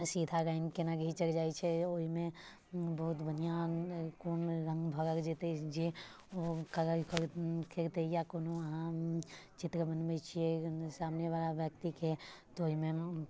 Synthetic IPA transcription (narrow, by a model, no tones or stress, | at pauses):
siːd̪ʱaɾəɪnkenaɡʱit͡ʃəɾd͡ʒaːit͡ʃʰɛoɦimẽ | bəɦut̪bənijãkoːnɾə̃ŋɡbʱəɾəɾd͡ʒet̪ed͡ʒi | okəɾəkəɾkʰeɾt̪ejakoːnoɦãt͡ʃɪt̪ɾəbənbɛt͡ʃʰiesaːmneʋalaʋjək̚t̪iket̪ooɦimẽ